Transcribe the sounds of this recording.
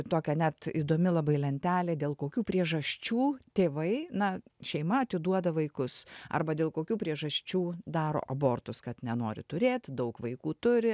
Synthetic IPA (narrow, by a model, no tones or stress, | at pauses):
t̪oːkʲɛnʲæt̪id̪oːmʲɪlˠɐbɐɪlʲɛnʲt̪ʲæːlʲeːd̪ʲeːlˠkoːkʲuːpʲɾʲiɛʒɐsʲt͡ʃʲuːt̪ʲeːʋɐɪnɐʃʲɛɪmɐɐt̪ʲɪd̪uɔd̪ɐʋɐɪkʊsɐ̰rbɐd̪ʲeːlˠkoːkʲuːpʲɾʲiɛʒɐsʲt͡ʃʲuːd̪ɑːɾo̰ːʔɐboːrt̪ʊskɐt̪nʲɛnoːɾʲɪ̰t̪ʊɾʲeːt̪ʲd̪ɐʊkʋɐɪkuːt̪ʊɾʲɪ